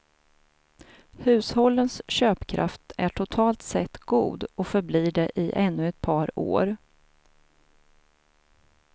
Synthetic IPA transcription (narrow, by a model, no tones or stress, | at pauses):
hʉ̟ːshɔlːənsɕøːpkʰɾʔa̰ft̪æʈʰʊt̪ʰɑːlt̪sɛt̪ːɡ̥ṵːd̪ɔfœɾbliːɖɛʔɪʔɛnːɵɛt̪̚pʰɑːɾo̰ːɾ